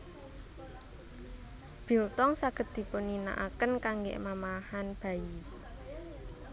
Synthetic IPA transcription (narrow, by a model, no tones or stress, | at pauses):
b̥i̤lt̪ɔŋsaɡ̥ə̤t̪̚i̤pʊnina̰ʔakənkaŋɡḛʔmamahanb̥a̤i